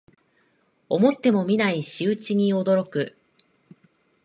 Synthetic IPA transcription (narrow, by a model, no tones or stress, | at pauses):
o̞mo̞t̪ːe̞mo̞mʲinaiɕɨːt͡ɕiɲ̟io̞d̪o̞ɾo̞kɯ̟